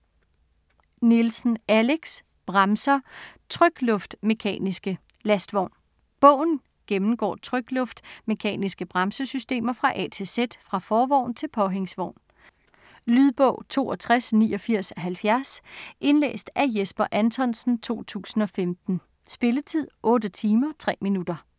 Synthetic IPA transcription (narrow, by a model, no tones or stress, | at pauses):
nelsn̩æle̝ɡ̥s | b̥ʁɑ̈msɐt͡sʰʁœɡ̥lɔ̽fd̥me̝kʰɛ̰ːnisɡ̥ə | læsd̥ʋɒʊ̰n | b̥ɔ̰̽ʊ̰n̩ | ɡ̥emm̩ɡ̥ɒ̰ːt͡sʰʁœɡ̥lɔ̽fd̥me̝kʰɛ̰ːnisɡ̥əb̥ʁɑ̈msəsysd̥e̝̰ːmɐfʁɑ̈ʔɛ̰t͡sʰe̝sed̥fʁɑ̈fɒːʋɒʊ̰nt͡sʰe̝lpʰɒ̽ɦeŋsʋɒʊ̰n | lyðˠb̥ɔʊ̰t͡sʰo̝̰ːɒt͡sʰʁasnḭːɒ̽fiɐ̰sɒ̽ɦælfjæɐsʔe̝nlḛːsd̥æjesb̥ɐʔænt͡sʰɒ̽nsn̩t͡sʰo̝̰ːt͡sʰṵːsn̩ɒ̽femd̥n̩ | sb̥e̝lət͡sʰið̞̰ˠʔɔ̽ːdət͡sʰiːmɐt͡sʰʁɛ̰ːminud̥ɐ